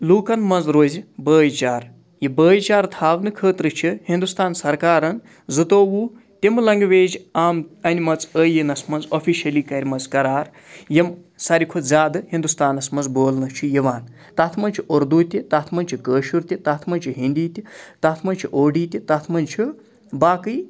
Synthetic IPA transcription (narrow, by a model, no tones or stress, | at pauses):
luːkɐnmɐnzɾoːzibəːjt͡ʃaːɾ | jibəːjt͡ʃaːɾt̪ʰaːʋnɨkʰəːt̪ɾɨt͡ʃʰihind̪ust̪aːnsɐɾkaːɾɐn | zɨt̪oːwu | t̪imɨlɐŋɡʋeːd͡ʒaːmɐnʲimɐt͡səːjinɐsmɐnzopʰiʃɐliːkɐɾʲimɐt͡skɐɾaːɾ | jim | sɐɾʲikʰozaːd̪ɨɦind̪ust̪aːnɐsmɐnd͡zboːlnɨt͡ʃʰujiʋaːn | t̪at̪ʰmɐnʲt͡ʃʰiʔoɾd̪ut̪ʲit̪at̪ʰmɐnʲt͡ʃʰikəːʃuɾt̪ʲit̪at̪ʰmɐnt͡ʃʰiɦind̪iːt̪ʲit̪at̪ʰmɐnt͡ʃʰiʔoːɖiːt̪ʲit̪ɐt̪ʰmɐnʲt͡ʃʰi | baːkɨj